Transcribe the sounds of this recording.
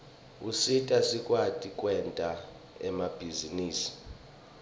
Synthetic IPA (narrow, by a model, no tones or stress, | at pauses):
usitʼasikʼwatʼikʼwɛntʼa | ɛ̰mab̥ʱiziniːsi̥